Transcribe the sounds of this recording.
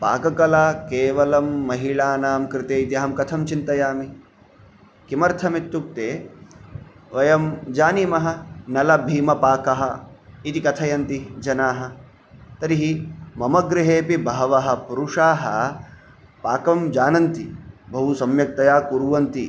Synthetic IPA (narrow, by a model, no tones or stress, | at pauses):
pa̰ːkɐkɐlaːkeːʋɐlɐmːɐɦiɭaːnaːmkɾɪt̪eːit̪iɐɦɐmkɐt̪ʰɐmt͡ʃint̪ɐjaːmi | kimɐɾt̪ʰɐmit̪ːuk̚t̪eː | ʋɐjɐmd͡ʒaːnimɐɦɐ̆nɐlɐbʱiːmɐpaːkɐɦɐit̪ikɐt̪ʰɐjɐnt̪id͡ʒɐnaːɦɐ̆ | t̪ɐɾiɦimɐmɐɡɾɪɦeːpibʱaːʋɐɦɐ̆puɾuʂaːɦɐ | paːkɐmd͡ʒaːnɐnt̪ibʱɐɦusɐmjɐk̚t̪ɐjaːkuɾuʋɐnt̪i